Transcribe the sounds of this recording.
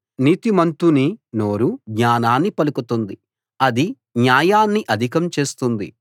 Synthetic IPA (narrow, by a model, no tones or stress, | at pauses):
niːt̪imɐnt̪unino̞ːɾuɡɲaːnaːnːipɐlukut̪und̪i | ɐd̪i | njaːjaːnːiʔɐd̪ʱikɐmt͡ʃe̞ːst̪und̪ḭ